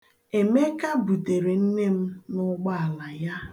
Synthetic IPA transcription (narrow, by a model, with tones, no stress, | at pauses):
e˨me˦ka˦bu˨te˨ɾe˨n̩˦ne˦m̩˦nʊ˦ɡ͡ba˦a˨la˨ja˦